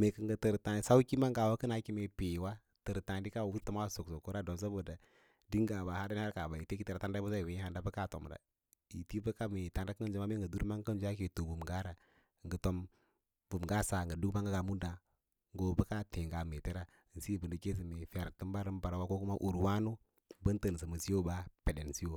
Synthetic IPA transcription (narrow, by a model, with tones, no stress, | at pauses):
me˨kə˨ŋɡə˨tə˨ɾta˨n˨sa˦u˦ki˦ma˦ŋɡa˨wa˦kɨ˦na˨˦ki˦me˨pi˨wa˦ | tɨ˨ɾta˨ndi˦ka˦˨wu˦tu˦ma˦˨so˨kso˨ko˦ɾa˦do˨s̬a˦bo˨da˨ | di˦ŋ˦ɡa˨ba˨ha˦da˦n˦a˦ɾka˨ba˨i˨te˦ki˦te˦ɾa˨ta˦da˦u˦za˦i˨wi˨˦ha˨nda˦bə˦ka˦˨to̰˨m˨da̰˨ | i˨ti˦bə˦ka˦me˨ta˨nda˦ki˦nd͡ʒu˦m˦a˦me˦˨ɡə˨du˦ɾma˦ŋ˦kə˦n˦d͡ʒa˦ke˨to˨vu˨mɡa˦ɾa˨ | ŋɡə˨to˦m | vu˨mɡa˦sa˨ŋɡə˨du˦kma˦ŋɡa˦ɡa˨mu˦da˨ | ŋɡo˨˦bə˦ka˦te˨ŋɡa˨me˨te˦ɾa˦˨n̩˨si˦˨bə˨ndə˨ke˦s̬i˨me˨fi˨a˨ɾtə˦m˦ba˦ɾə˦m˦ba˨ɾa˨wa˦ko˦ku˦ma˦ʔu˨ɾwa˦nu˦ | bə˦n˦tə˨n˨sə˨mə˨si˦jo˦ba˦pe˨de˨n˨si˦jo˨